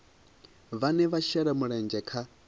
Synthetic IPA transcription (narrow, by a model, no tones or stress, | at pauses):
βanɛβaʃɛɾamuɺɛnd͡ʒɛkʰa